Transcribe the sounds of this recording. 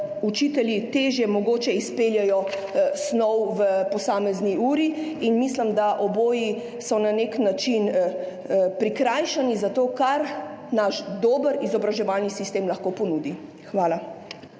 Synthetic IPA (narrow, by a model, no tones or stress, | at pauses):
ut͡ʃit̪ɛljit̪eːʒjɛmɔɡoːt͡ʃɛispeljɛjɔsnɔwʋəpɔsaːmɛzniuːɾiinmislimd̪aʔɔboːji | sɔnaneknat͡ʃin | pɾikɾajʃanizat̪oːkaɾnaʃd̪oːbəɾizɔbɾaʒɛʋalnisist̪emlɐxkopɔnuːd̪i | xʋaːla